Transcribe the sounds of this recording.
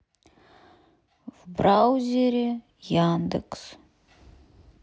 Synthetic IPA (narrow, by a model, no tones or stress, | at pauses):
vbrawzʲeɾʲe | jand̪əks